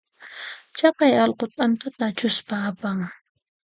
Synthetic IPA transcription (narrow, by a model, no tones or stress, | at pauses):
t͡ʃɑqɑjɑlqot̪ant̪at̪at͡ʃʊspaːpaŋ